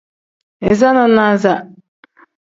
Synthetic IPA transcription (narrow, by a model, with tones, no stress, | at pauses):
ɛ˨za˦na˦na˦za˦